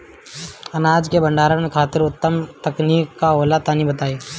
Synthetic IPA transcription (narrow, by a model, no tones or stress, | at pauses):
ɐnaːd͡ʒkebɐ̃ɳɖaːɾãnekʰaːt̪ɪɾʊt̪ːəmt̪ɐkniːkːaɦoːlat̪aːnibɐt̪aːiː